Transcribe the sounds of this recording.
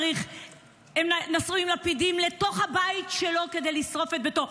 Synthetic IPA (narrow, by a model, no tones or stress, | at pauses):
ʁiχ | emnasuimlapidimle̞to̞χhabajtʃelo̞ke̞d̪ejlisʁo̞fet̪̚beto̞